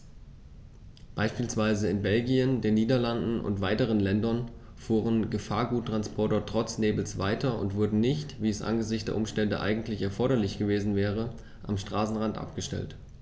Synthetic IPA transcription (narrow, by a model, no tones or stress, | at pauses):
b̥aɪʃpiːlsv̥aɪzəɪnbɛlɡiəndeːnːiːdɐlandn̩ʔʊ̰ntv̥aɪtəʁ̞ənlɛndɐn | fuːʁ̞ənɡəfaːɐɡuːtːʁ̥anspʰɔɐtɐtʁ̥ɔt͡sneːbl̩sv̥aɪtɐʊ̰ntv̥ʊɐdn̩nɪçtviːɛsʔa̰nɡəzɪçtd̥eːɐʔʊmʃtɛndə̰ʔa̰ɪɡŋ̩tlɪçɛɐfɔɐɾɐlɪçɡ̥əveːzn̩vɛːʁ̞ə | ʔa̰mʃtʁ̥aːsn̩ʁantʔa̰p̚ɡ̥əʃtɛ̰lt